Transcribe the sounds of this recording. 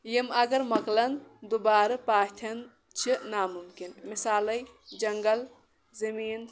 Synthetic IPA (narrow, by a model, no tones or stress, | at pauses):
jimɐɡɐɾmɐklɐnd̪ubaːɾɨpaːt̪ʰɐn | t͡ʃʰinamumkinmisaːlɐj | d͡ʒɐŋɡəl | zɐmiːn